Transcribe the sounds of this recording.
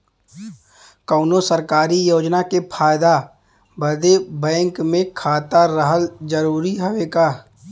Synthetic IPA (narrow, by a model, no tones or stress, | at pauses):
kəːnosəɾkaːɾijoːd͡ʒnakepʰaːjd̪a | bəd̪ebɛ̃ːŋkmẽkʰaːt̪aɾəɦəld͡ʒəɾuːɾiɦoʋeːɡaː